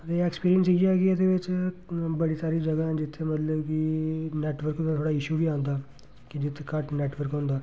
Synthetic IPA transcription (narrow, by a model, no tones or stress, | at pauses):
t̪eeːkspiːɾijənsiakiəd̪eːʋɪt͡ʃbəɽiːsaːɾiːd͡ʒəɡaɛ̃ːd͡ʒɪt̪ʰːemət̪ləbkineːʈʋəɾkɦonat̪ʰoːɽaːɪʃuːbʱiːãːnd̪aː | kɪd͡ʒɪt̪ʰːekəʈneːʈʋəɾkɦõːnd̪aː